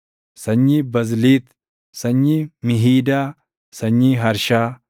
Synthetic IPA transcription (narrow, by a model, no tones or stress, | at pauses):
sɐɲːibɐzliːt̪ | sɐɲːimɪɦiːd̪aː | sɐɲːiːɦɐɾʃaː